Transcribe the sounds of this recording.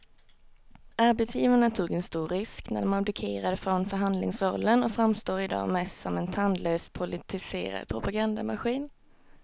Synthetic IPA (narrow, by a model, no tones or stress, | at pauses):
ʔaɾbɛt̪sjiːvaɳat̪ʰuːɡɛnst̪uːɾːɪsknæ̰ɖ̪ɔmabd̪ɪkʰeːɾad̪əfɾɔnfœɾɦand̪lɪŋsɾɔlːənɔkfɾamst̪oːɾɪd̪ɑ̰ːmɛst̪sɔmɛnt̪ʰand̪løːst̪pʰʊlɪt̪ʰɪsḛːɾa̰d̪̥̚pʰɾʊpaɡand̪amaɧiːn